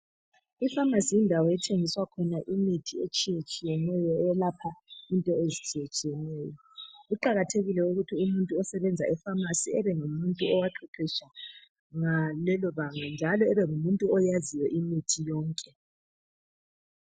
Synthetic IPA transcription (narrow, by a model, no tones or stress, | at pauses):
ifamasijindʱawɔjɛtʰeŋiswakʰɔnaʔimitʰiet͡ʃʼijet͡ʃʼijɛnɛjɔɛɛlapʰaintʼɔezit͡ʃʼijet͡ʃʼijɛnɛːjɔ | uǃaɣatʰeɣilɛuɣutʰiumuntʼuɔsɛβɛnd͡zʱa̰ɛfamasiɛβɛŋumuntʼuɔwaǁʰiǃiʃa | ŋalɛlɔβaŋand͡ʒʱalɔɛβɛŋumuntʼuɔjazijɛʔimitʰijɔːŋkʼɛ